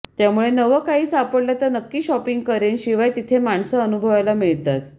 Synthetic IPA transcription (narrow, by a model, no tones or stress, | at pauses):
t̪jamuɭenəʋəkaɦiːsapəɽljat̪əɾnəkːiːɕɔpiŋɡ̚kəɾenɕiʋajt̪it̪ʰemaɳsəənubʱəʋajlamiɭt̪at̪